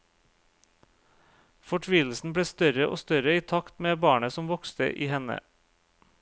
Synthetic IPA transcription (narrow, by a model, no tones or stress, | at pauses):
fɔʈʰʋiːl̩sn̩bɽeːst̪œɾəʔo̰ːst̪œɾəiːt̪ʰɑkt̪meːbɑːɳəsɔmʋɔkst̪ə̰ʔiːhɛnə̰